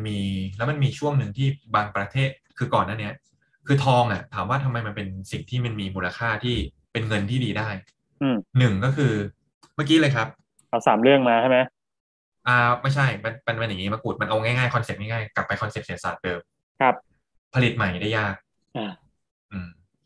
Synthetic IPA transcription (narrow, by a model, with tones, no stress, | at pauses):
nmiː˧lɛː˦˥wma˧nmiː˧t͡ɕʰu˥˩əŋnɯ˧ŋt̪ʰiː˥˩baː˧ŋpɾa˧t̪ʰeː˥˩t̪̚kʰɯː˧kɔː˨˩nːaː˥˩ni˦˥ɐ | kʰɯː˧t̪ʰɔː˧ŋʔa˨˩t̪ʰaː˩˦mwaː˥˩t̪ʰa˧mːa˧jma˧npe˧nsi˨˩ŋt̪ʰiː˥˩ma˧nmiː˧muː˧la˧kʰaː˥˩t̪ʰiː˥˩ | pe˧nŋɤ˧nt̪ʰiː˥˩diː˧daː˥˩j | ʔɯː˧˩nɯ˨˩ŋkɔː˥˩kʰɯː˧ | maː˥˩kiː˦˥lɤː˧jkʰɾa˦˥p̚ | ʔa˧˩wsaː˩˦mɾɯ˥˩əŋmaː˧t͡ɕʰa˥˩jma˦j | ʔaː˧˩ma˥˩jt͡ɕʰa˥˩jma˧npa˧nma˧nja˨˩ŋiː˦˥ma˧˥kuː˨˩t̪̚ma˧nʔa˧wŋaː˥˩jŋaː˥˩jkʰɔ˧nse˨˩p̚ŋɛː˥˩ŋaː˥˩jkla˨˩pːa˧jkʰɔ˧nse˨˩p̚si˩˦sa̰ː˨˩t̪̚dɤː˧m | kʰa˦˥p̚ | pʰːa˧li˨˩t̪̚ma˨˩jdaː˥˩jːaː˥˩k̚ | ʔaː˧˩ | ʔɯː˧˩m